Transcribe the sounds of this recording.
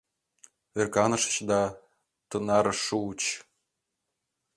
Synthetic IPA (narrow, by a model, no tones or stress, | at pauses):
verkɑnɤ̆ʃɤ̥̆t͡ɕd̪ɑ | t̪ɤnɑɾɤ̆ʃut͡ɕ